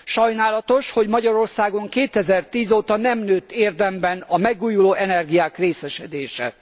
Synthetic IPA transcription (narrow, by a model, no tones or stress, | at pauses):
ʃɒjnaːlɒt̪o̞ʃho̞ɟmɒɟɒɾo̞rsaːɡo̞ŋkeːt̪ɛzɛrt̪iːzoːt̪ɒnɛmnøːt̪ːeːrd̪ɛmbɛnɒmɛɡuːjuloːʔɛnɛrɡijaːkreːsɛʃɛd̪eːʃɛ̰